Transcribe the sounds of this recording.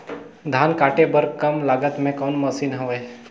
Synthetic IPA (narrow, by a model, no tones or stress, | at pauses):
d̪ʱaːnkaːʈebəɾkɐmlaːɡət̪mẽkɔːnməsiːnɦəʋeː